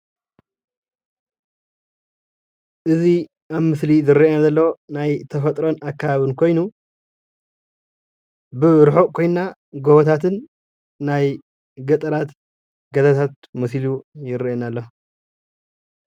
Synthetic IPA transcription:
ʔɨzi | ʔaβmɨslizɨɾːiʔenazɐlːɐwonajt̪ʰɐfɐt̪ʼɾo̞nakʰːaβaβɨnkʰo̞jnu | bɨɾħo̞kʰo̞jnnaɡoβɐt̪ʰat̪ʰɨnː | aj | ɡɐt̪ʼɐɾat̪ | ɡɐzat̪ʰat̪ | mɨslujɪɾʔenalːo

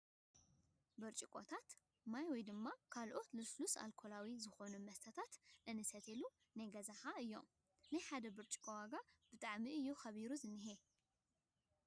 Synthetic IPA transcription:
bɨɾt͡ʃʼikʼot̪ʰat̪ | majwɔjd̪ɨmːakʰalʔo̞t̪lɨslusa̰lkʰo̞lawizɨxo̞numɐst̪ʰɐt̪ʰat̪ʔɨnɨsɐt̪ʰelu | najɡɐzaħaɨjːo̞̰m | najħad̪ɐbɨɾt͡ʃʼi̥kʼowaɡab̥ɨt̪ʼaʕmiɨjːuxɐβiɾuzɨnːɨɦe

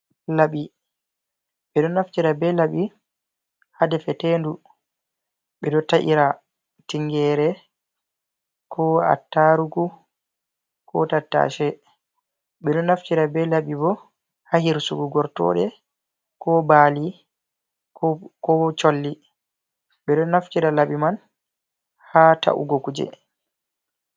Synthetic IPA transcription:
laɓi | ɓɛɗɔnːaft͡ʃiɾabɛlaɓi | hadɛfɛteːndu | ɓɛɗɔtaʔiɾa | tiŋɡɛɾɛ | kʰɔa̰tːaɾuɡu | kɔ̰tatːa̰ʃɛ | ɓɛɗɔnaftiɾabɛlabibɔ | hahiɾsuɡuɡɔɾtɔ̰ɗɛ | kɔbaːli | kɔt͡ʃolːi | ɓɛɗɔnaft͡ʃiɾalaɓiman | hata̰ʔṵɡokud͡ʒɛ̰

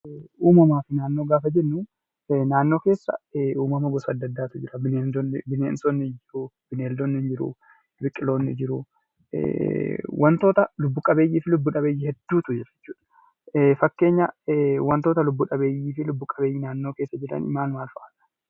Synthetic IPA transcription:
uːmɐmaːfɪnaːnːo̞ːɡaːfɐd͡ʒɛnːʊ | naːnːo̞ːke̞ːsːɐ̰uːmɐmɐɡɔsɐd̪ːɐd̪ːaːt̪ʊd͡ʒɪɾɐbɪneːnd̪bɪneːnsonːɪd͡ʒɪɾub̥ɪneːld̪onːɪnd͡ʒɪɾṵ | bɪkʼːɪlo̞ːnːɪ̰d͡ʒɪɾʊ̰ | wʔɐnt̪o̞ːt̪ɐlʊbːʊkʼɐbe̞ːjːiːfɪlʊbːuːᶑɐbeːjːɪhɛd̪ːuːt̪ʊd͡ʒɛɾɛ̥t͡ʃːuːᶑɐ̥ | fɐkːe̞ːɲːɐwɐnt̪oːt̪ɐlʊbːuᶑɐbe̞ːjːiːfɪlʊbːʊkʼɐbe̞ːjːɪnaːnːo̞ːke̞ːsːɐd͡ʒɛᶑɐ̰nɪ̰maːnmaːlfɐʔaːt̪ɐ̥

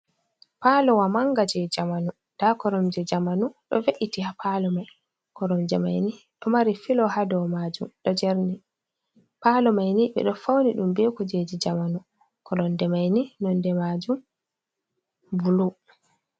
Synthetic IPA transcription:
paːlɔwamaŋɡad͡ʒɛd͡ʒamanu | d̥akɔɾɔmd͡ʒɛd͡ʒamanuɗɔ̰veʔitihapʰalɔmaj | kɔɾɔmd͡ʒɛma̰jni | ɗɔmaɾifilɔhadɔwmad͡ʒṵmɗɔd͡ʒɛɾni | palɔmajniɓɛ̰ɗɔfawniɗumbekud͡ʒed͡ʒid͡ʒamanu | kɔɗɔndɛmajninɔndɛmad͡ʒum | bulu

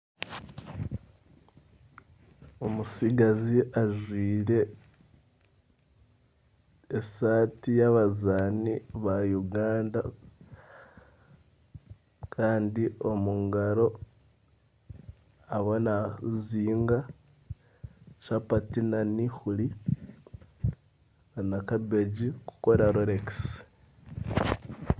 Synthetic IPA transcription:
omusiɡaziʔaʒwiːɾe̞ | saːtijaβazaːniβajuɡaːnda | kʰaːndio̞muŋɡaɾo̞ | aβonaziːŋɡa | ʃapatinanixuli | anakabeɟiku̥koɾaɾoɾeks

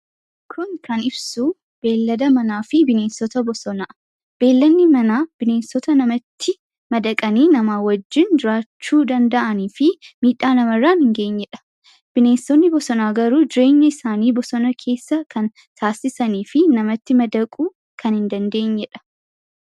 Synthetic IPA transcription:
kʰʊŋkʰɐnɪbsuː | b̥e̞ːlːɐd̪ɐmɐnaːfɪbɪne̞ːnsɔt̪ɐbɔsɔnaː | b̥e̞ːlːɐnːɪmɐnaːb̥ɪne̞ːnsɔt̪ɐnɐmɐt̪ʰːɪ | mɐd̪ɐkʼɐniːnɐmaːwɐd͡ʒːɪnd͡ʒɪɾaːt͡ʃːuːd̪ɐnd̪ɐʔɐniːfɪmiːᶑaːnɐmɐrːaːnhɪŋɡe̞ːɲːɛᶑɐ̥ | b̥ɪne̞ːnsɔnːɪbɔsɔnaːɡɐɾuːd͡ʒɪɾe̞ːɲːɐɪsaːniːbɔsɔnɐkʰe̞ːsːɐkʰɐn | t̪ʰaːsɪsɐniːfɪnɐmɐt̪ːɪmɐd̪ɐkʼuː | kʰɐnhɪnd̪ɐnd̪e̞ːɲːɛᶑɐ̥

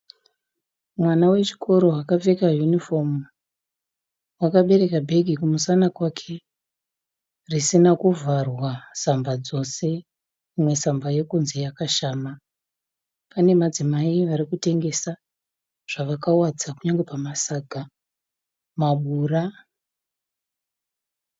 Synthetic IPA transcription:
mwanawe̞t͡ʃi̥kʰo̞ɾo̞wakavekajunifo̞m | wakaɓe̞ɾe̞kabʱe̞ɡʱikumusanakwakʰe | risinakuvʱarwasambad͡zo̞se̞ | imwe̞sambaje̞kunze̞jakaʃaːma | pane̞mad͡zimaiʋaɾikute̞ŋɡe̞sa | ʐ̥aʋakawad͡zakuɲaŋɡe̞pamasaɡʱa | maɓuːra

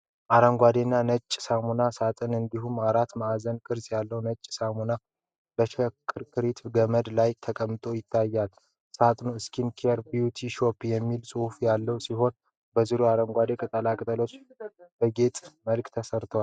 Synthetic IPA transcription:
ʔaɾəŋɡʷad̪enːanət͡ʃʼːsamunasat̪ʼɨnɨnd̪iɦumaɾat̪maazənkʼɨɾsjalːəwnət͡ʃʼsamuna | bəʃəkʰʼːɨɾkʰɨɾit̪ɡəməd̪lajt̪ʰəkʼəmːɨt̪ʼo̞jɪt̪ʰːajːal | sat̪ʼnuɨskʰinkʰeɾbijut̪ʰiʃo̞pːjɛmːilsʼɨhfjalːəwsiɦo̞n | bəziɾuaɾəŋɡʷad̪e̞kʼɨt̪ʼəlakʼɨt̪ʼəlo̞t͡ʃː | b̥əɡe̞t̪ʼməlkt̪ʰəsəɾt̪ʰəwal

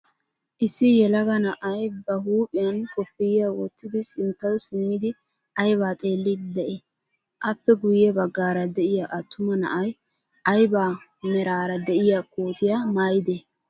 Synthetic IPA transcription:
ʔɪsːɪjɛlɐɡɐnɐʔɐjbɐɦuːpʼɪjɐnkʼɔpːɪjɪjawɔt̪ːɪd̪ɪsɪnt̪ːɐwsɪmːɪd̪ɪ | ɐjbaːt̪ʼe̞ːlːɪd̪d̪ɛʔe | ʔɐpːɛɡʊjɛbɐɡːaːɾɐd̪ɛʔɪjaʔɐt̪ʰːʊmɐnɐ̰ʔɐj | ʔɐjbaː | mɛɾaːɾɐd̪ɛʔɪjakʰʼoːt̪ɪjamaːjɪd̪eː

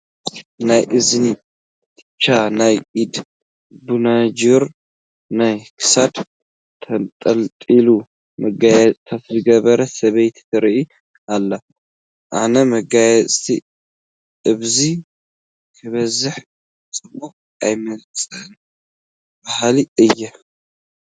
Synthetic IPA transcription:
najʔɨzni | t̪ʰʼɨt͡ʃʰːanajʔid̪ | bunad͡ʒuɾ | najkʰɨ̥sad̪ʰ | ɐnt̪ʼɐlt̪ʼilu | mɐɡajɛt͡sʼt̪ʰat̪zɨɡɐβɐɾɐsɐβejt̪t̪ɨɾʔi | alːɐ | ʔanɐmɐɡajɛt͡sʼt̪ʰi | ʔɨβzi | kʰɐβɐzɨħ | sʼɨmo | ʔajmɐlt͡sʼɐn | bahaliɨjːɛ

